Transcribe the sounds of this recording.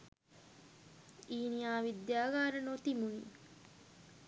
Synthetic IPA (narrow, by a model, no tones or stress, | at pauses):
iːnijaːʋid̪jaːɡaːɾənot̪imuniː